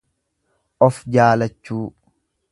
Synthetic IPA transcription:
ʔɔfd͡ʒaːlɐt͡ʃːuː

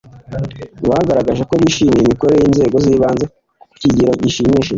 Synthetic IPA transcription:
wahaɡaɾaɡaʒeko̞βiʃiːmijimikoɾeejiːnze̞ːɡo̞ziːβaːnze | ku̥ciɟiɾoɟiʃimiːʃe

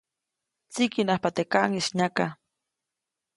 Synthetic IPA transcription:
t͡sikinahpat̪ekaʔŋisɲaka

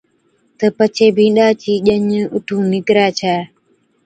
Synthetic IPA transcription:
təpat͡ʃebiɗat͡ʃiʄaɲəʔutuniɡɾat͡ʃaː

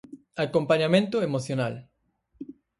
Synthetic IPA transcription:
akompaɲamẽnt̪oemoθjonal

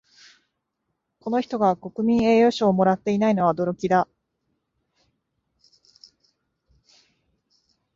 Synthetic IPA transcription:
ko̞no̞çʲi̥t̪o̞ɡako̞kɯ̟mʲĩɰ̃e̞ːjo̞ɕo̞ːmo̞ɾat̪ːe̞inaino̞βaod̪o̞ɾo̞kʲid̪a

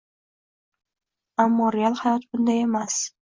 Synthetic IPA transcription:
amːɒɾealˠhajɒt̪bʊnd̪aje̞mas

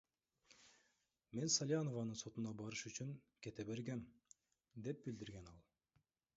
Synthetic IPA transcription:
me̞nsalʲjanovɑnɯnso̞t̪unɑbɑɾɯʃyt͡ʃyŋke̞t̪eβe̞ɾɡem | d̪e̞p̚bild̪iɾɡenɑlˠ

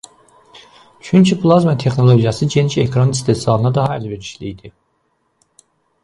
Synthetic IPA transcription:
t͡ʃʰyncʰiplˠazmat̪ʰe̞xno̞lˠo̞ɟijɑsɯɟeniʃekʰɾanist̪ʰesɑlˠɯnɑd̪ɑɦɑilbeɾiʃlḭjd̪i

